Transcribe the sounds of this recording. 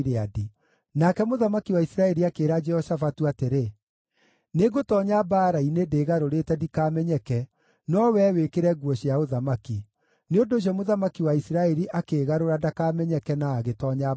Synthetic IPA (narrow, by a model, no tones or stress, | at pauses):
ɾeadi | nakɛmoðamakiwaisɾaɛɾiakeːɾad͡ʒɛhɔsafatuateɾe | neɡotɔːɲabaːɾainedeːɣaɾoɾetɛdikaːmɛɲɛkɛ | nɔwɛwekeɾɛɡwɔɕiaoðamaki | neondoːɕ̬iɔmoðamakiwaisiɾaɛɾiʔakeːɣaɾoɾadakaːmɛɲɛkɛnaːɣetɔɲa